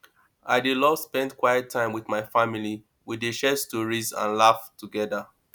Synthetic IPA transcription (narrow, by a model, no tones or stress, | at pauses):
aɪdilɔspɛ̃ndkwaɪjətʰːãɪ̃mwiθmaɪfamili | wideʃɛstɔɹizã̰nlaftuɡɛðə